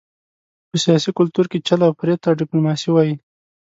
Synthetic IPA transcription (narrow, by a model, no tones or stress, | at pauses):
pəsijɑsikʊlt̪uɾket͡ʃalawpɾjet̪ːaɖɪplumɑsiwɑji